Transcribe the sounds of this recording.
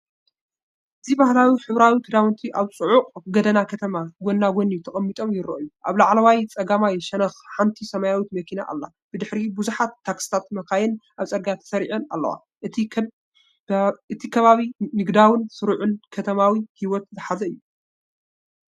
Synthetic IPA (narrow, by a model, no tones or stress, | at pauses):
ʔɨzibahlawiħɨβɾawit̪ʰɨd̪awɨnt̪ʰiʔaβt͡sʼɨʕʊqʼɡɐd̪ɐnakʰɐt̪ʰɐmaɡo̞nːaɡo̞nijt̪ʰɐχʼɐmːit̪ʼo̞mjɪɾɐ̰ʔɨjuʔaβlaʕlɐwajt͡sʼɐɡamajʃɐnɐxħant̪ʰisɐmajawit̪mɐkʰina̰ʔa̰lːa | b̥ɨd̪ɨħɾibuzuħat̪ːaksi̥t̪ʰat̪mɐkajɛnʔaβt͡sʼɐɾɡat̪ʰɐ̥sɐɾiʕɐna̰lːɐ̰wa̰ | ʔɨ | ɨt̪ʰikʰɐβaβinɨɡd̪awɨnsɨɾuʕʊnkʰɐt̪ʰɐmawihiwɔt̪̚zɨħazɐɨjːu